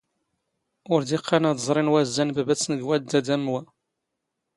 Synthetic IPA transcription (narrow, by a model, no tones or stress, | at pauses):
ʊɾd̪iqʰːɑnæd̪əzˤɾˤinwæzːænbæbæt͡sːnəɡwæd̪æd̪æmwæ